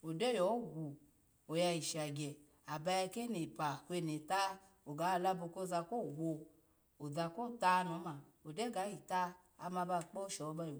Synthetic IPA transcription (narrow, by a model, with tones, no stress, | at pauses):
o˨de˦jɔ˨˦ɡʷu˨ | o˨ja˧ji˨ʃa˨ɡʲɛ˨ | a˨ba˧ja˧ke˦ne˨pa˨hʷe˧˨ne˨ta˦ | o˨ɡa˨˦˨la˧bo˧ko˦˧za˧ko˦˨wo˧ | o˨d͡za˧ko˦˨ta˦nɔ˨˦ma˨o˨de˦ɡa˨˦ji˨ta˦ | a˧ma˧ba˧˨k͡po˦ʃɔ˨˧ba˧jo˨